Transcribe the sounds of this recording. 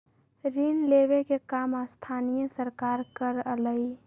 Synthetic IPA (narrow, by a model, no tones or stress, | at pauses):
ɾinlebekekamast̪ʰanijəsəɾkaɾkəɾləi